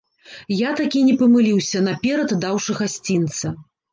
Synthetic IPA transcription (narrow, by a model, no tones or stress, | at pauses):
jat̪akʲinʲɛpɐmɨlʲiwsʲɐnɐpʲɛɾɐt̪d̪awʂɨɣasʲt͡sʲint̪sɐ